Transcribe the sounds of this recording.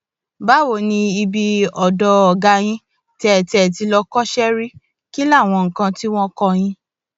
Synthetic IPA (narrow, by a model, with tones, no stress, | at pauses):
ba˦wo˦˨nĩ˧i˧bi˧ɔ˨dɔ˧ɔ˨ɡa˧j̃ĩ˧ | tɛ˧˦˨tɛ˨t̬i˧lɔ˧kɔ˦ʃɛ˦ɾi˦ | ki˦la˦˨w̃ɔ̃˧ŋ̩˨kã˧ti˦w̃ɔ̃˦kɔ˧j̃ĩ˧